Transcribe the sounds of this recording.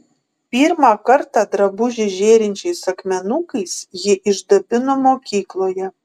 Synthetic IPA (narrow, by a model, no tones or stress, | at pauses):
pʲiːɾmɑːkɐɾt̪ɑd̪ɾɐbʊʒʲɪʒʲeːɾʲɪnʲt͡ʃʲɛɪsɐkmʲɛnukɐɪsjɪʔɪʒd̪ɐbʲɪnoːmoːkʲiːklˠoːjɛ